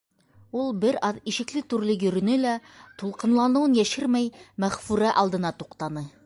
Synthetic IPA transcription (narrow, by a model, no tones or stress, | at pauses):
ulˠbɘɾɑðiʃɘ̆klɘt̪ʉɾlɘjɵ̆ɾɵ̆nɘlæt̪ulˠqɤ̆nlˠɑnɤ̆wɤnjæʃɘɾmæjmæχfʉɾæʔɑlˠd̪ɤ̆nɑt̪uqt̪ɑnɤ